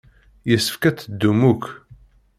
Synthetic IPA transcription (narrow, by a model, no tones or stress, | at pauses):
jəsːə̥fkæt͡sːəd̪ːumuk